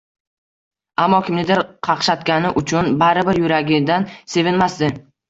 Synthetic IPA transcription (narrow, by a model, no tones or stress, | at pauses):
amːɒkʲʰɪmnɪd̪ɪɾqʰɑqʃat̪kʲanɪʔʊt͡ʃʰʊnbaɾɪbɪɾjʊɾaɡʲɪd̪anse̞vɪnmasd̪ɪ